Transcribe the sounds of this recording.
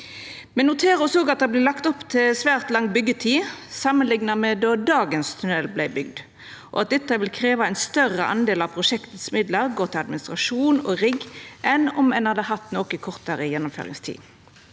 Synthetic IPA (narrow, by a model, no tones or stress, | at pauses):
mɛnnʊt̪ʰeːʁɔsoːɡɑt̪̚d̪ɛblɪlɑkt̪ɔpːt̪ʰɪlsʋæːʁt̪lɑŋːbʏɡːət̪ʰiːsɑmənlɪŋnɑmɛd̪ɔːd̪ɑːɡənst̪ʰʉnɛlːblæɪbʏɡd̪ | ʔɔ̰ɑt̪̚d̪ɛt̪ːəʋɪlkʰʁeːʋɑæɪnst̪œʁəʔɑ̰nd̪eːlɑʋpʰʁʊʃɛkt̪əsmɪd̪ləʁɡoːʁt̪ʰɪlɑd̪mɪnɪst̪ʁɑʃuːnɔ̰ʁɪɡʔɛnɔmɛnhɑd̪əhɑt̪ːnoːkəkʰɔʁt̪əʁəjɛnːʊmfø̰ːʁɪ̰ŋst̪ʰḭː